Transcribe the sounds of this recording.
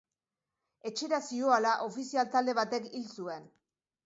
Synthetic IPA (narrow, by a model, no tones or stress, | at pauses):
e̞t͡ʃe̞ɾasio̞alaʔo̞fisialt̪ald̪e̞βat̪e̞kilsue̞n